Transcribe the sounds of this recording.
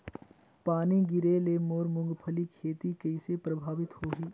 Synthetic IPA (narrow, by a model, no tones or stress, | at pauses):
paːniɡɪɾelemoːɾmʊ̃ŋɡpʰəlikʰeːt̪ikɐɪsepɾəbʱaːʋɪt̪ɦoːɦiː